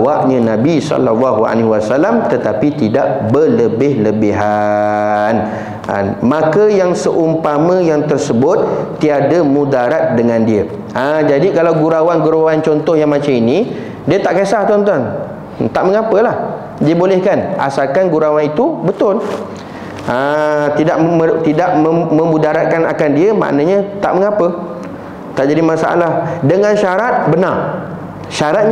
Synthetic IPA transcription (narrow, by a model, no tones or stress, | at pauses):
waʔɲə̃nãbisɔ̰lalːaɦua̰leɦiwasalamt̪ət̪apit̪idaʔbələbɪhləbiɦa | n | a̰nmãkəjaŋsəʔumpamə̃jaŋt̪ərsəbʊt̪̚ː | iadəmũdaɾat̪̚dəŋãndiə | ʔad͡ʒadikalawɡuɾawanɡuɾawant͡ʃɔnt̪ɔhjaŋmãt͡ʃaminĩ | diət̪aʔkesaht̪ont̪̬an | t̪aʔmə̃ŋãpəlah | diəbolɛhkanʔa̰salkanɡuɾawanit̪ubət̪ʊl | ət̪idaʔət̪idaʔməmə̃mũdaɾat̪̚kanakandiəmã̰ʔnə̃ɲãt̪a̰ʔməŋapə | t̪aʔd͡ʒadimãsa̰ʔa̰lahdəŋãnʃaɾat̪̚bənar | ʃaɾat̪̚ɲ